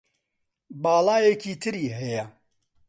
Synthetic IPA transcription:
baːlaːjekʰiːt̪ʰɨɾiːɦɛjɐ

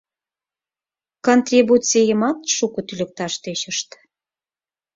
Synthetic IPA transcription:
kont̪rʲibut͡sʲejəmɑt̪ʃukə̆t̪ylʲə̆k̚t̪ɑʃt̪et͡ɕəʃt̪

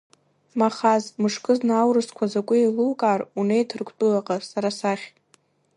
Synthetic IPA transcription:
maχazmɨʂkʼɨznawrɨskʷʰazakʷʼʊiluwkʼarunejtʰɨrkʷʰtʼulaqʼasaɾasaχʲ

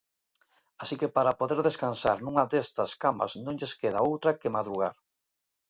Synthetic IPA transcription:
asikepaɾapoðeɾðeskansaɾnũŋɐd̪est̪ɐskamɐ̰snõŋʎeskeð̞aowt̪ɾɐkemaðɾuɣa̰ɾ

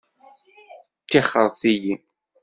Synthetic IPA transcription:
t̪ːiχəɾˤθijin

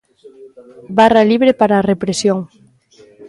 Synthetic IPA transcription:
baraliβɾepaɾaːrepɾesjoŋ

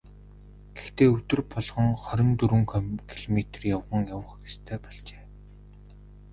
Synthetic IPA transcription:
ɡ̥ext̪eːɵt̪ɵ̆rpɔɮʁɞ̆ŋχɔɾʲɪ̆nt̪ɵɾɘ̆ŋkʰkʰiɮɔmet̪rjawʁə̆ŋjawə̆χist̪ʰæːpɔɮt͡ɕe̥ː

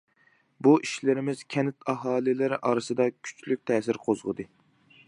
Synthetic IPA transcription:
buʔiʃlɪɾɪmɪzkʲʰɛnɪt̪ʰɑɦɑːlˠɪlɪɾɪʔɑːɾɨsɨd̪ɑkʲʰy̥t͡ʃʰlyk̚ʲt̪ʰɛːsɪɾqʰozʁəd̪ɨ

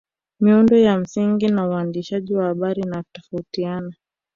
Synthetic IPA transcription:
miundɔjam̩siŋɡinauandiʃaʄiwahaɓaɾinautɔfautiana

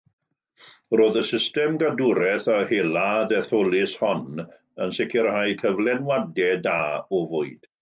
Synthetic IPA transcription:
roːðəsɪstɛmɡadʊɾɛθahelˠaðɛθolˠɪshɔn | ənsɪkʰɪɾhajkʰəvlˠɛnwadɛdaːɔvʊɨd̥

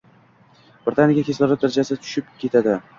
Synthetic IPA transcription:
b̥ɾʲt̪ʰanʲɪakʲakʲeslɒɾnɪd̪aɾad͡ʒasɪt̪ʰʊ̥ʃɪp̚kʲʰe̞t̪ʰad̪ɪ

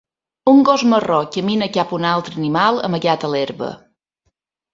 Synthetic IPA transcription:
uŋɡozmərɔkːəminəkapunalˠt̪ɾənimalˠə̰məɣat̪əleɾβə̰

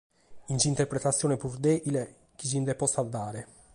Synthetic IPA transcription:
int͡ʃiːnt̪eɾpɾet̪at̪sːjɔːnepuɾd̪ɛile | k̟it͡ʃind̪ɛpɔsald̪aːɾe

